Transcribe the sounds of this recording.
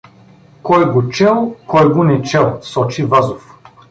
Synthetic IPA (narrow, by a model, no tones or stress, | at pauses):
kɔjɡot͡ʃɛlˠkɔjɡonɛt͡ʃɛlˠsɔt͡ʃivazof